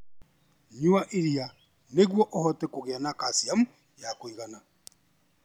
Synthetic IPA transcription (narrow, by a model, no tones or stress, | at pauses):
ɲuaʔeɾia | neɣwɔʔohɔtɛkoɣeanakasiamu | jakoiɣana